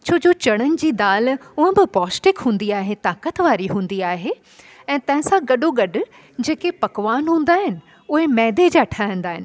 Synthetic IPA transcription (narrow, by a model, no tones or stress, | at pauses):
t͡ɕʰoːd͡ʑot͡ɕɐɽ̃ənɪ̆d͡ʑiːd̪aːlʊɦə̃bɪpɔːsʈɪkɦũːnd̪iaːɦet̪aːkət̪ʋaːɾiɦũːn̆d̪iaːɦe | ɛ̃ːt̪ɐ̃ɦɪ̃sãɡɐɖoɡɐɖʱ | d͡ʑeːkepɐkʋaːnɦũːn̆d̪aːɦɪnɪ̆ | ʊɦemɛ̃ːd̪ed͡ʑaʈʰaːə̃n̆d̪aːɦɪnɪ̆